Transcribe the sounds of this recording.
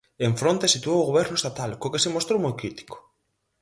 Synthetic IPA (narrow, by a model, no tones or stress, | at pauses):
eɱfɾont̪esit̪uowʊɣoβɛɾnʊest̪at̪alkokesemost̪ɾowmojkɾit̪i̥ko̥